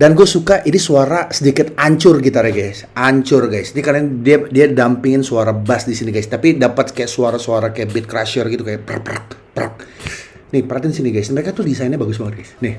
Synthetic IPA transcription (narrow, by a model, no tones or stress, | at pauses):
danɡuasukaʔinisuaɾasədikɪt̪aɲt͡ʃʊrɡit̪uaɾɛhɡajsaɲt͡ʃʊrɡajsdikaɾandiadiadampɪŋɪnsuaɾabasdisiniɡajst̪apidapat̪̚kajaʔsuaɾasuaɾakajaʔbɪt̪̚kɾaʃərɡit̪ukajapəɾa̰pəɾa̰k̚pəɾa̰k̚ | nɪhpəɾat̪insiniɡajsməɾekat̪ʊhdisaɪnɲabaɡʊsbaŋət̪̚ɡajsnɪh